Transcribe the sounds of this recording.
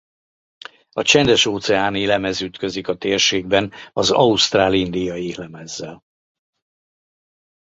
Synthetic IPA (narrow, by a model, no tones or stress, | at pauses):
ɒt͡ʃɛnd̪ɛʃoːt̪sɛaːneːlɛmɛzyt̪kø̞zikɒt̪eːrʃeːɡ̚bɛnɒzɒust̪raːlind̪ijɒiːlɛmɛzːɛl